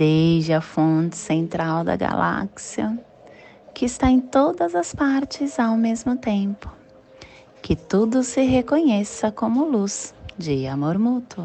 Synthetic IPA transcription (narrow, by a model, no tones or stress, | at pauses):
d̪eʒɪɐfõt͡ʃɪ̥sẽnt̪ɾawd̪ɐ̰ɡa̰lʔa̰ksiɐ | kɪːst̪aẽt̪od̪ɐzɐspaɾt͡ʃɪzawmezmʊt̪ẽpʊ̥ | kɪt̪ud̪ʊsɪɦekõɲɛsɐkõmʊluzd͡ʒɪamoɾmut̪ʊ